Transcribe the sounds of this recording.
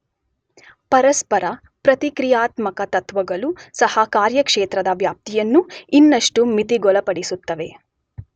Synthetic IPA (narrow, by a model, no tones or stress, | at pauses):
pɐɾɐspɐɾɐ | pɾɐt̪ikɾijaːt̪mɐkɐt̪ɐt̪ʋɐɡɐlusɐhɐkaːɾjɐkʂeːt̪ɾɐd̪ɐʋjaːp̚t̪ijɐnːuinːɐʂʈumit̪iɡɔlɐpɐɽisut̪ːɐʋe̞